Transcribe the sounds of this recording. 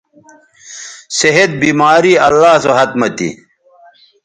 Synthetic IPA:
seɦed̪̚biːmaːɾiɐlːaːsoɦɐt̪mɐt̪ḭ

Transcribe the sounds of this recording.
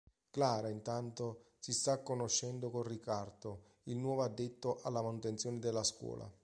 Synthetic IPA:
klaːɾaint̪ant̪o | sist̪akːonoʃːɛnd̪okonrikard̪o | ilnwɔːvoad̪ːet̪ːoʔalːamanut̪ent̪sjɔːned̪elːaskwɔ̰ːlʔa̰

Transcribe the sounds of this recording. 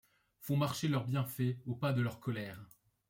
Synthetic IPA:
fɔ̃maʁʃelœʁbjɛ̃fɛopad̪əlœʁkɔlɛːʁ

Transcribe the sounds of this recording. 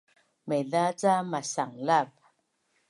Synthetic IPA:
mɛðat͡samasaŋlap̚

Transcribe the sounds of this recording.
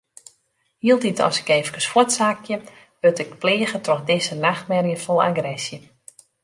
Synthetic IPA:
hiəlˠtitʰɔ̰sɪ̥keːvəkəswɔtsakʰjə | ʋøtɪk̚pleːɣətrɔxdɪsənaxtmɛrjəfɔlˠa̰ɡrɛsjə

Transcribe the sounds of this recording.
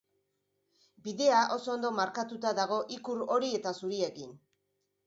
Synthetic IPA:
biðe̞aʔo̞so̞ːnd̪o̞maɾkat̪ut̪aðaɣ̞o̞ʔikuɾo̞ɾie̞t̪asuɾie̞kin

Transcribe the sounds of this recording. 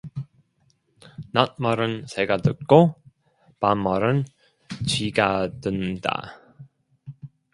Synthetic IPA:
nat̚mʌɾɯnseɡatɯk̚k͈o | pamːʌɾɯn | t͡ɕiɡadɯnda̰

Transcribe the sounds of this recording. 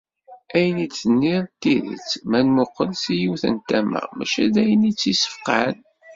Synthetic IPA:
æjənit͡sːənːiðt̪ːiðḭt͡smænmʊqːəlsijuwθə̰nt̪æmə̰ʁmæ̰ʃæd̪æjənit͡sːisə̥fqæn

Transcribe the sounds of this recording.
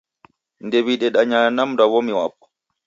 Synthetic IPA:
ndewiɗɛɗaɲanamdawɔmiwa̰pːɔ̥

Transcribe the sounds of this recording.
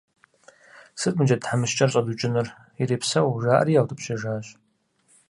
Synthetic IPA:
sɨtʼmɨd͡ʒɐtħamɨʃt͡ʃʼɐrɕʼɐdut͡ʃʼɪnɨr | iɾeːpsɐwʒaːʔɐ̰ɾijaːwtʼɨpɕɐʒaːɕʼ

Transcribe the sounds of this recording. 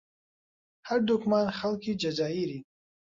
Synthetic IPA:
haɾd̪ukʰmanχalkʰid͡ʒazaːiɾi

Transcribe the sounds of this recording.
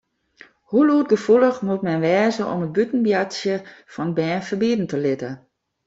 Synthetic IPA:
huluːt̚ɡəfuləxmutmɛnʋɛːzəʔɔ̰mət̚bytn̩bjasjəfɔnbɛːfərbiədn̩təlɪtə

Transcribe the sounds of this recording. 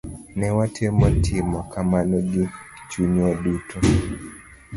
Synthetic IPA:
nɛwatʰɛmɔtʰimɔkʰamanɔɡi | t͡ʃuɲɔdutʰɔ

